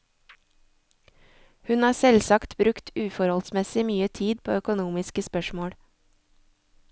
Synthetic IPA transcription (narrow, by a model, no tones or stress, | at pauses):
hʉnɑːsɛlsɑkt̪bɾʉkt̪ʉːfɔɾhɔlsmɛsɪmyːət̪ʰiːd̪̚pʰo̰ːœkʊnuːmɪskəspœʃmoːɽ